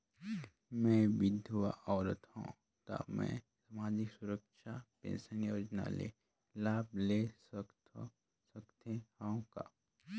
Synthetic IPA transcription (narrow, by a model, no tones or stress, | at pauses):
mɛ̃ːʋɪd̪ʱʊʋaʔɔːɾət̪hõ̰ː | t̪a̰mɛ̰̃ | samaːd͡ʒɪksʊɾəkʃapḛ̃ːnsənjoːd͡ʒna̰lḛ | laːblesk | səkt̪ehãõka̰